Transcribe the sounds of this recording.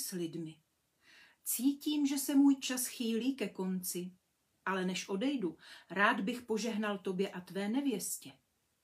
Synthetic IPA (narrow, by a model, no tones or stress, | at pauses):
slɪdmɪ | t͡siːciːmʒɛsɛmuːjt͡ʃasxiːliːkɛko̞nt͡sɪ | ʔalɛnɛʃʔo̞dɛjduɾaːd̪bɪxpo̞ʒɛɦnalt̪o̞bjɛʔat̪vɛːnɛvjɛscɛ